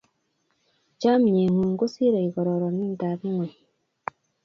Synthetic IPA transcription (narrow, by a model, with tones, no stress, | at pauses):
caː˦mi˨ɲe˨ŋuː˨ŋɡo˦si˦ɾa˨i˨ko˨ɾo˨ɾo˨niː˦n˨ta˨βi˦ŋwe˨